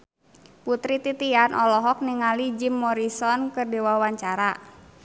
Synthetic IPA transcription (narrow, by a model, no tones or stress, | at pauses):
put̪ɾit̪it̪ianʔɔlɔɦɔk̚niŋalid͡ʒimːɔɾisɔnkərdewawaɲt͡ʃaɾa